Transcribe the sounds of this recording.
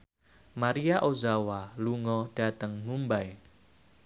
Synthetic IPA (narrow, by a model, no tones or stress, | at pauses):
maɾiaʔozawaluŋɔɖ̥a̤t̪əŋmumbaj